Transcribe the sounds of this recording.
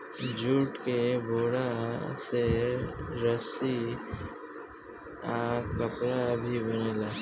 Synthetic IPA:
d͡ʒuːʈkebʱoːɽase | ɾəsi | aːkəpɾabʱibəneːlaː

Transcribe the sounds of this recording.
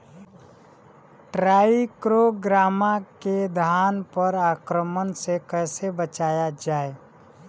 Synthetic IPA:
ʈɾaːikɾoɡɾaːmaked̪ʱaːnpəɾaːkɾəmənsekəːsebət͡ʃaːjad͡ʒaːe

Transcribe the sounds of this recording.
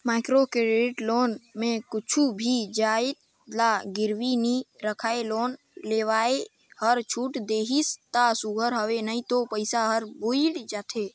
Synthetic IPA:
maːɪkɾokɾeʈloːnmẽkʊt͡ʃʰubʱid͡ʒaːet̪ | laɡɪɾwiniɾəkʰaːeloːn | leʋaːe | həɾt͡ʃʰuːʈd̪eɦist̪asuɡʱəɾɦəʋenaĩt̪opəɪsaɦəɾboild͡ʒaːt̪ʰe

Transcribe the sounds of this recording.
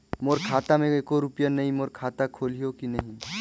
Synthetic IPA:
moːɾkʰaːt̪amẽeːkoɾupjanɐɦĩmoːɾkʰaːt̪akʰoːlijokinəɦĩ

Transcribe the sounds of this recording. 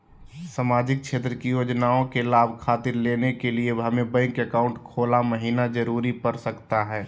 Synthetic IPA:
saːmaːd͡ʒɪk̚t͡ʃʰeːt̪ɾəkijoːd͡ʒnaːõkelaːbʱkʰaːt̪ɪɾleːnekelieɦɐmẽbə̃kəkaːʊ̃ɳʈkʰoːlaməɦiːnad͡ʒəɾuːɾipɐɾsəkt̪aɦɛː

